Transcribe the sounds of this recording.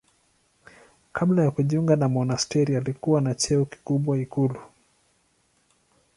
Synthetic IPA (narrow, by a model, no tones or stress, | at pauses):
kʰablajakuʄiuŋɡanamɔnastɛɾialikuwanat͡ʃɛuki̥kuɓwaikulu